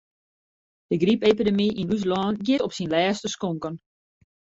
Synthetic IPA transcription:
d̥əɡripepidəmiʔinys̬lɑːnɡiəɾɔpsinlɛːstəskɔŋkən

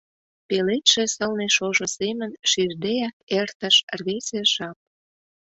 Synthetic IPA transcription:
pelet̪ʃĕsəlneʃoʒosemənʃird̪eæk̚ert̪ə̆ʃrβeseʃɑp̚

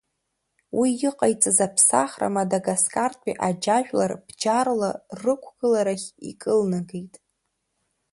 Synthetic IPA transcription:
wʔiɪqʼajt͡sʼazapʰsa̰χra̰madaɡaskʼartʼḭʔad͡ʒaʒᶣʷlarb̥d͡ʒarlarɨkʷʰɡɨlaɾaχʲḭkʼɨlnaɡejtʼ

